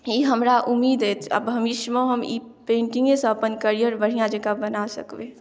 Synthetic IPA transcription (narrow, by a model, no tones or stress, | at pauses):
iɦəmɾaʔʊmːiːd̪et̪ʰə̰bbʱəmɪʃmõɦəmḭ | pẽːɳʈĩŋɡẽsə̃ɐpənkəɾijəɾbəɽ̤ijãd͡ʒekabənasə̰kʋe